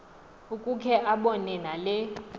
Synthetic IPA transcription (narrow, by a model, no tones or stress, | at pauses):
ukʼukʰɛʔaɓɔnɛnalɛ